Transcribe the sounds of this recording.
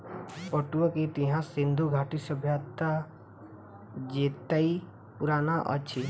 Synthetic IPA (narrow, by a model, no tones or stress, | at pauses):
pɔʈuɔkit̪iɦãsind̪ʱuɡʱaʈisəbʱjat̪ːa | d͡ʒet̪ai | puɾanaʔʌ̰t͡ʃʰi